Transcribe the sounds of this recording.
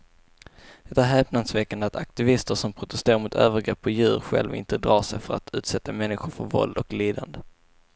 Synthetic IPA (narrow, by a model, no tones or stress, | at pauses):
d̪̥ɛt̪ːaɾɦɛːpnansvɛkːand̪at̪ak̚t̪ɪvɪst̪əɾʂɔmpʰɾʊt̪ɛst̪eːɾaɾmʊt̪ʰø̰ːvəɾɡɾɛpːɔjʉ̟̰ːɾɧɛ̰lvɪ̰nt̪əd̪ɾɑːʂɛjfœɾa̰t̪ʰʉ̟ːt̪sɛt̪ːamɛnːɪɧʊɾfœɾvɔ̰ld̪ɔkliːd̪a̰nd̪ə